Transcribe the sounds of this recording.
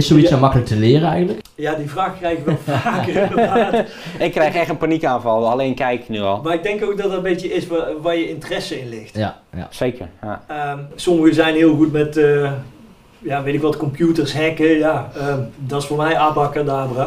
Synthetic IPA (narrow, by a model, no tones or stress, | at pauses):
ɪsoisɔmɑkələk̚təlɪərəɛjɣəntləkjadivraːxkrɛjɪkʋɛlˠfakəə | ɪkːrɛjxɛxtənpanikaːnvɑlˠaleːnkɛjknyɔlˠmaɪɡ̚dɛŋkoːk̚dɔtdɔtəbeːtjəɪsʋajəɪntərɛsəɪnlɪxtseːkʰə̰rja̰əsoməɣəzɛjnɦɪəlˠɣutmɛtə | jaʋetɪkʋɔtkɔmpjutərsɦɛkəjaədɔtɪsfoːrmɛjaːbɑkərdaːbra